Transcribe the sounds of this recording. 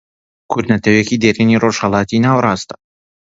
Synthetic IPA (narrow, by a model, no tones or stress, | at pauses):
kʰʊɾd̪nɐt̪ʰɐwekid̪eɾiniroʃhɐlˠɑːt̪inaːwɾɑːst̪ɐ̥